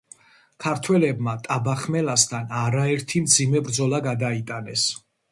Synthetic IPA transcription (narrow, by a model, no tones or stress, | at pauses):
kʰaɾt̪ʰwɛlɛbmat̪ʼabaχmɛlast̪ʰanaɾaɛɾt̪ʰimd̪zimɛbɾd̪zɔlˠaɡad̪ait̪ʼanɛs